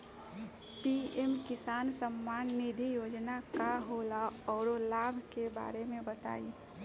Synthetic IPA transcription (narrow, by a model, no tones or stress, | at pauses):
piemkɪsaːnsəmːaːnːid̪ʱijoːd͡ʒnakaɦoːlaɔːɾolaːbʱkeba̰ːɾemẽbət̪a̰ːi